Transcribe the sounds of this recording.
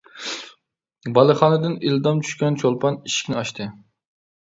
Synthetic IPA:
bɑlˠɨχɑːnɨd̪ɨnild̪ɑmt͡ʃʰy̥ʃkʲɛnt͡ʃʰolˠpʰɑniʃi̥kʲnɪɑʃt̪ʰɨ

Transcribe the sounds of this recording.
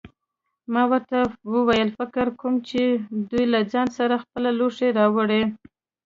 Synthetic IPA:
mɑwəɾt̪awəwajəlfɪkɪɾkʰomt͡ʃed̪ujlad͡ʒɑnsaɾaxpəlaloʂeɾɑwəɽe

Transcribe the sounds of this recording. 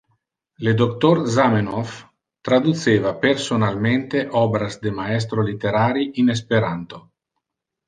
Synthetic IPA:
led̪ok̚t̪oɾzamenof | t̪ɾad̪ut̪seːvapersonalment̪eʔɔbɾazd̪emaɛs̬t̪ɾolit̪eɾaːɾiines̬peɾant̪o

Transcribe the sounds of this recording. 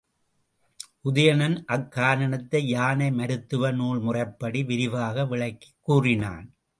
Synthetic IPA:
ʔʊðɐjɐnɐnʔɐkːaːɾɐnɐt̪ːɐɪjaːnɐɪmɐɾɯt̪ːɯʋɐnuːɭmʊrɐɪpːɐɽiʋɪɾɪʋaːɣɐʋɪɭɐɪkːi̥kːuːrɪna̰ːn

